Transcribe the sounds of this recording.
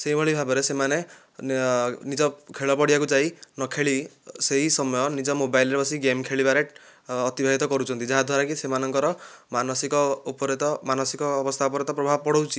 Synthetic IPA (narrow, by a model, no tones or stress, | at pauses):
seɦibɔɭibʱabɔɾesemane | nid͡ʒɔkʰeɭɔpɔɽibakud͡ʒainɔkʰeɭiseɦisɔmɔjɔnid͡ʒɔmobajlɾebɔsiɡemkʰeɭibaɾeʈː | t̪ibʱaɦit̪ɔkɔɾut͡ʃʰɔnt̪id͡ʒaɦad̪ʱwaɾakisemanɔŋkɔɾɔmanɔsikɔpɔɾet̪ɔmanɔsikɔːbɔst̪ʰaupɔɾet̪ɔpɾɔbʱabpɔɽowt͡ʃʰi̥